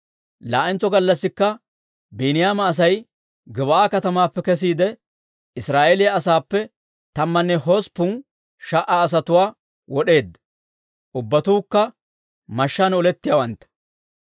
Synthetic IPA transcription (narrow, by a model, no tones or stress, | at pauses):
laːʔɛnt͡sːɔɡɐlːɐsːɪkːɐ | biːnɪjaːmɐːs̬ɐj | ɡɪβɐʔaːkɐt̪ɐmaːpːɛkɛs̬iːd̪ɛ | ɪsɾaːʔelɪjɐːsaːpːɛ | t̪ɐmːɐnːɛɦospʊn | ʃɐʔaːs̬ɐt̪ʊwaː | wɔɗe̞ːd̪ːɐ | ʔʊbːɐt̪uːkːɐ | mɐʃːanɔlɛt̪ːɪjawɐnt̪ːɐ̥